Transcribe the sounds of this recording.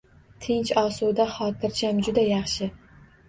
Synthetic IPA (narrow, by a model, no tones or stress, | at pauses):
t̪ʰɪnt͡ʃɒsud̪aχɒt̪ʰɪɾt͡ʃʰamd͡ʒʊd̪ajɑχʃɪ